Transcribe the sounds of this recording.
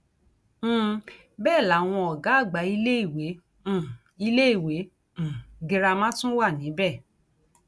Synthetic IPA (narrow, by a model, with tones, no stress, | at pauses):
bɛː˦˨la˨˦˨w̃ɔ̃˧ɔ˨ɡa˨˦˨ɡ͡ba˨˦i˧le˦i˦˨wẽ˨˦˨ | i˧le˦i˦˨wẽ˨˦˨ | ɡi˧ɾa˧mã˦tũ˦wa˦˨nĩ˨˦bɛ˦˨